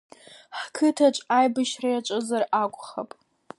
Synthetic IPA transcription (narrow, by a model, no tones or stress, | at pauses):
ħkʰɨtʰat͡ʃʷʼajbɨʃrajaʈ͡ʂʷʼɨzarakʷʼχapʼ